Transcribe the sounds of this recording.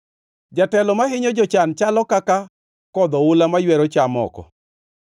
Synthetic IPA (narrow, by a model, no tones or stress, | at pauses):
d͡ʒatɛlɔmaɦɪɲɔd͡ʒɔt͡ʃant͡ʃalɔkaka | kɔd̪ɔʊlamajwɛɾɔt͡ʃamɔ̰kɔ̰